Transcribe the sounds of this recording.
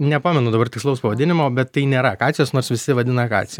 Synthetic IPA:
nʲɛpɑːmʲɛnʊd̪ɐbɐrt̪ʲɪkslˠɐʊspɐʋɐdʲɪnʲɪmoːbʲɛt̪tːɐɪnʲeːɾɐkɑːt͡sʲɪjoːsnoːrsʋʲɪsʲɪʋɐd̪ʲɪnɐkɑ̰ːt͡sʲɪj

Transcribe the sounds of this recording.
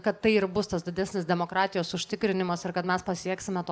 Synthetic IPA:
kɐt̪ːɐɪɪɾbʊst̪ɐsd̪ʲɪd̪ʲæsʲnʲɪsd̪ʲɛmoːkɾɑːt̪ʲɪjoːsʊʃʲt̪ʲɪkɾʲɪnʲɪmɐsɪɾkɐt̪mʲɛspɐsʲiɛksʲɪmʲɛt̪oː

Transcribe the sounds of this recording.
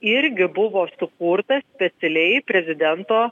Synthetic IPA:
ɪɾʲɡʲɪbʊʋoːsʊkuːɾt̪ɐsʲpʲɛt̪sʲɛlʲɛɪpʲɾʲɛzʲɪd̪ʲɛnt̪oː

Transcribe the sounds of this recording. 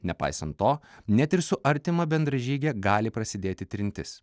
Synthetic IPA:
nʲɛpɑ̰ɪsɐnt̪ːoːnʲɛt̪ʲɪɾsʊʔɐɾʲt̪ʲɪmɐbʲɛnd̪ɾɐʒʲiːɡʲɛɡɑːlʲɪpɾɐsʲɪd̪ʲeːt̪ʲɪt̪ʲɾʲɪnʲt̪ʲɪs

